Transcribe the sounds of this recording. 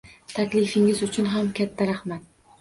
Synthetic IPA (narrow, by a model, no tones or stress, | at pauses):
t̪ʰakʲlɪfɪŋɪzʊt͡ʃʰʊnɦamkʲat̪ʰːaɾahmat̪̚